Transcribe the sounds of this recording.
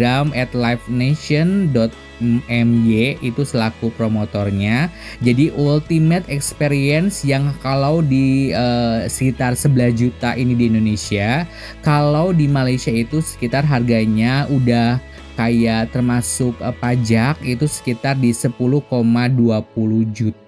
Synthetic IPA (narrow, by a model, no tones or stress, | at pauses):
amɛt̪lajfneʃɔndɔt̪̚ | ɛmjeit̪usəlakupɾomot̪ɔrɲad͡ʒadiʔult̪imət̪ɛkspeɾiɛnsjaŋkalawdiəsə̥kit̪arsəbəlasd͡ʒut̪aʔinidiːndonesia | kalawdimalajsiait̪usə̥kit̪arɦarɡaɲaudah | kajaʔt̪ərmasʊk̚pad͡ʒakit̪usə̥kit̪ardisəpuluhkomaduap̚uluhd͡ʒut̪̚a